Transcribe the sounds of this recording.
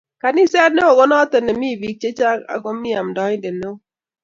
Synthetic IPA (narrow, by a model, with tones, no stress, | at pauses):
ka˨ni˦sɛ˦ɾne˦o˨ɡɔ˦nɔ˦te˨ne˨mi˦˨vi˨k̚t͡ʃe˦t͡ʃa˦ka̰˨ɡo˦mi˦a˨mdɔ˦de˨ne˦o˦